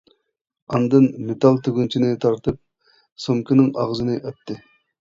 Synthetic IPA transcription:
ɑnd̪ɨnmet̪ɑlˠt̪ʰeɡʲunt͡ʃʰinɪt̪ʰɑɾt̪ɨp̚ | soŋkʰʲinɪŋɑʁzɨnɨʔøt̪ʰːɨ

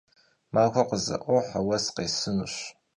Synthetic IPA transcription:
maːxʷɐqəzɐ̰ʔʷoħawɐsqeːsɨnuɕ

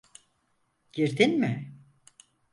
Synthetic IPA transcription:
ɟ̥iɾd̪inmɪ

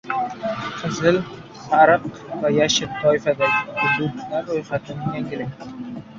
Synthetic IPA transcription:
qʰɨzɪl | saɾɨq | vajaʃɪɾt̪ʰːɒɪfad̪aɡʲɪhʊd̪ut̪ʰnaɾojχat̪ʰɪnɪjaŋʲɪɾɪ

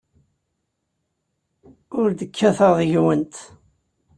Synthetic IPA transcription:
ʊɾd̪əkʰːæθəʁðʝwənt̪

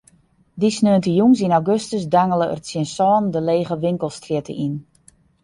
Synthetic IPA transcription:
disnøəntəjuŋs̬inawɡøstəsdaŋələʔə̰rtsjənsɔːndəleːɣəʋɪŋkəlˠstrjɪtʰə̰ʔin

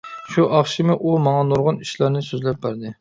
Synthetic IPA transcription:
ʃuʔɑχʃimɨʔumɑŋɑnoɾʁʊniʃlˠɑɾnɨsøzlɛp̚bæɾd̪ɨ

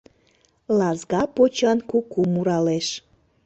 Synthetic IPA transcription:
lɑzɣɑpot͡ɕɑnkukumuɾɑleʃ

